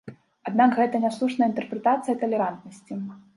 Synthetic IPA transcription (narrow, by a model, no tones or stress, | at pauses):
ad̪nakɣɛt̪ɐnʲaslˠuʂnɐjəint̪ɛrpɾɛt̪at̪sɨjɐt̪ɐlʲɛɾant̪̚nɐsʲt͡sʲi